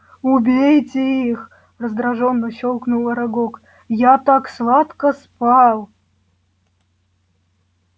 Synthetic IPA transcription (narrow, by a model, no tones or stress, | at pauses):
ʊbʲejtʲɪix | rəzd̪ɾaʐonːəɕolˠknulˠɐɾaɡok | jat̪akslˠat̪kəspɑlˠ